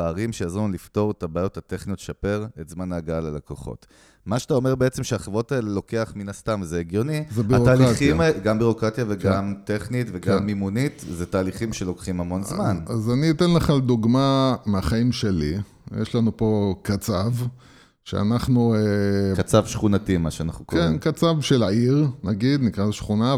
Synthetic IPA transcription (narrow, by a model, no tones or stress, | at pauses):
aːʁimʃejazumlifto̞ʁetabaːjo̞thateχnijot̪ʃape̞ʁetzmanaɡaalalakoχo̰t | maʃe̥t̪ao̞me̞ʁbeet͡se̞mʃeaχevo̞tae̞lelo̞ke̞aχminast̪amzeːɡjonibataːliχimɡambiʁo̞kʁatjaveɡamteχnitveɡamːimunitzetaːliχimʃelo̞kχimhamo̞nzmanazaniːt̪enlaχald̪uɡmameaχaimʃe̞lḭ | jeʃlanupo̞kat͡sav | ʃḛa̰naχnuekat͡savʃχunatimaʃeanaχnukokenkat͡savʃelaiʁnaɡid̪nikʁazeʃχuna